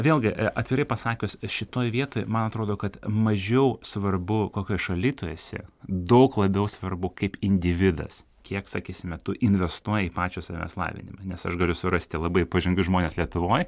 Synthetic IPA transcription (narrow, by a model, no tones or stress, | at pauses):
ʋʲeːlˠɡʲɪʔʔɐt̪ʲʋʲɪɾɐɪpɐsɑːkʲʊsʃʲɪt̪oːjʋʲiɛt̪oːjmɐnɐt̪ɾoːd̪oːkɐt̪mɐʒʲɛʊsʋɐrbʊkoːkʲoːjʃɐlʲiːt̪oːjɛːsʲɛ̰d̪ɐʊklˠɐbʲɛʊsʋɐrbʊkɐɪpɪnʲd̪ʲɪʋʲɪd̪ɐ̰s | kʲiɛksɑːkʲiːsʲɪmʲɛt̪ʊʔɪnʲʋʲɛst̪uɔjɛiːpɑːt͡ʃʲoːsɑːmʲɛ̰slˠɑ̰ːʋʲɪ̰nʲɪmɑnʲɛsɐʃɡɐlʲʊsʊɾɐsʲt̪ʲɪlˠɐbɐɪpɐʒʲɪŋɡʊʒmoːnʲeːslʲiɛt̪ʊʋoːj